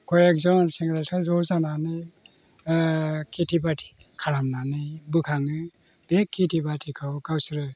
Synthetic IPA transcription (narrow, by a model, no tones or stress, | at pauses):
kʰɔjak̚zɔnseŋɡɾatʰazɔzananɯj | kʰitʰibatʰi̥ | kʰaɾamnanɯjbɯkʰaŋɯ | b̥ekʰːitʰibatʰikʰawkawsɾɯ